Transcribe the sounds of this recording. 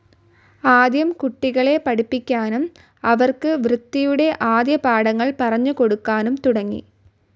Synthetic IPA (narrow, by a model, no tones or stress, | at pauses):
aːd̪jɐmkuʈːiɣɐɭe̞pɐɽipːikʲːaːnum | ɐʋɐrkɨʋrɨt̪ːijuɽe̞ʔaːd̪jɐpaːɽɐŋːɐɭpɐrɐɲːuko̞ɽukːaːnumt̪uɽɐŋːḭ